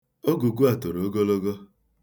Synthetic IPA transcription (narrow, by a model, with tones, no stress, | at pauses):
o˦ɡu˨ɡu˦a˨to˨ɾo˨o˦ɡo˦lo˦ɡo˦